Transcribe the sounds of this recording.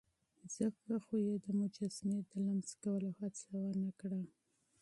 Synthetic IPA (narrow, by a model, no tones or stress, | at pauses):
z̥əkaxojed̪əmʊd͡ʒasned̪əlamzkawəlohat͡sawanakɽa